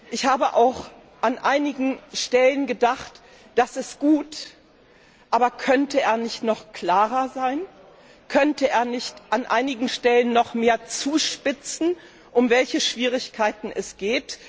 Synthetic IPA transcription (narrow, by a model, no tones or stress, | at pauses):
ʔɪçhaːbəʔaʊx | ʔanʔaɪnɪɡŋ̩ʃtɛlənɡədaχt | d̥asɪstɡ̥uːt | ʔaːbɐkʰœntəeːɐnɪçtnɔχkl̥aːʁɐzaɪn | kʰœntəeːɐnɪçtʔanʔaɪnɪɡŋ̩ʃtɛlənːɔχmeːɐt͡suːʃpɪt͡sn̩ | ʔʊmvɛlçəʃv̥iːʁ̞ɪçkʰaɪtn̩ɛsɡ̥eːt